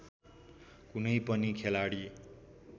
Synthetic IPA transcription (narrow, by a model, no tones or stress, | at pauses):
kunʌjpʌnikʰelaɽi